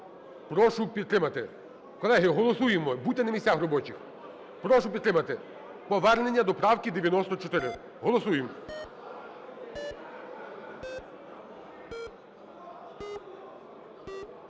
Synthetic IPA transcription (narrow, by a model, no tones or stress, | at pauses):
pɾɔʃʊpʲid̪̚t̪ɾɪmɐt̪ɪ | kɔlˠɛɦɪɦɔlˠɔsujemɔbut̪ʲːenɐmisʲaxrɔbɔt͡ʃʲix | pɾɔʃʊpʲid̪t̪ɾɪmɐt̪ɪ | pɔʋɛrne̞nʲːɐd̪ɔpɾɑwkid̪eʋʲjɐnɔst̪ɔt͡ʃɔt̪ɪɾɪ | ɦɔlˠɔsujɪmɔ